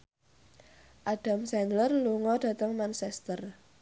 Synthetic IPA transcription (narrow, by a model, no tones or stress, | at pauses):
ʔaɖ̥a̤msɛnlərluŋɔɖ̥ä̤t̪əŋmansɛst̪ər